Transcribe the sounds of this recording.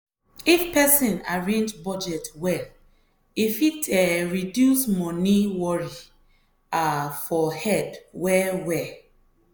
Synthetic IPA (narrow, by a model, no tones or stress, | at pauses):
ifpɛsĩna̰ɹẽnd͡ʒbɔd͡ʒɛtwɛl | ifitʰɛɹidjusmɔ̃niwɔɹi | afɔhɛdwɛwɛ